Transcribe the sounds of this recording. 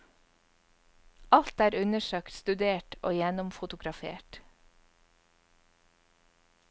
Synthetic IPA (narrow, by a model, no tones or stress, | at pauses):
ɑlt̪æːɾʉnəʃøːkt̪st̪ʉd̪eːʈo̰ːjɛnʊmfʊt̪ʊɡɾɑfḛːʈ